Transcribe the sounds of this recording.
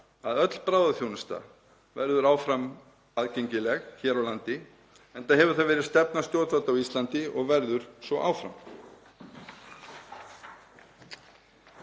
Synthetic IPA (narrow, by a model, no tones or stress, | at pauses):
aðœt̪l̥pɾaːwðaθjownɪst̪a̰ | vɛɾðʏɾaːwfɾam | aðceɲcɪlɛɣçɛːɾawlant̪ɪ | ɛnt̪aðɦɛvʏɾ̥θaðvɛːɾɪðst̪ɛpnast̪jowt̪fat̪awist̪lant̪ɪɔɣvɛɾðʏɾ̥svɔʔa̰ːwfɾa̰m